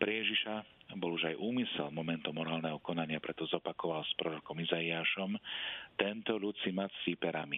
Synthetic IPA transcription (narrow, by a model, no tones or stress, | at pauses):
pɾɛjɛʒiʃabɔluʒajʔuːmisɛlmɔmɛnt̪ɔmɔɾaːlnɛɦɔkɔnaɲɪapɾɛt̪ɔzɔpakɔʋalspɾɔɾɔkɔmizaiaːʃɔmt̪ɛnt̪ɔʎut͡simat͡sːipɛɾami